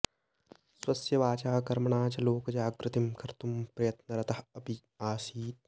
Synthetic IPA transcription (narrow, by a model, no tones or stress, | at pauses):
swɐsjɐʋaːt͡ʃaːkɐɾmɐɳaːt͡ʃɐloːkɐd͡ʒaːɡɾɪt̪imkɐɾt̪umpɾɐjɐt̪nɐɾɐt̪ɐɦɐbi | aːsiːt̪̚